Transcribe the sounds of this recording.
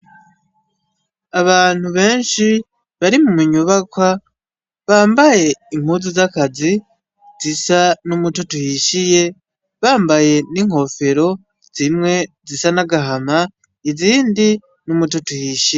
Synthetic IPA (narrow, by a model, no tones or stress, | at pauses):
aβaːn̥huβe̞ːnʃi | βaɾimumuɲuβakwa | βaːmbaje̞im̥huːzizakazi | zisanumutotuhiʃije̞ | βaːmbaje̞niŋ̥ho̞fe̞ɾo̞ | z̥imŋe̞zisanaɡaɦama | iziːndi | numutotuhiʃije